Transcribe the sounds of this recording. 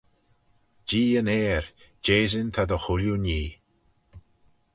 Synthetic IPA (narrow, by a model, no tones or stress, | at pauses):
d͡ʒiːəneːɹ | d͡ʒeːzɪnt̪ʰad̪əxʊlʲjuniː